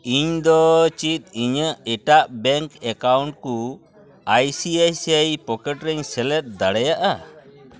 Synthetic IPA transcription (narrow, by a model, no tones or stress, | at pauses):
iɲd̪ɔt͡ʃit̪̚iɲəʔɛʈaʔbɛŋkɛkawɳʈku | ajsiajsiajpɔkɛʈɾɛɲsɛlɛt̪̚d̪aɽɛjaʔa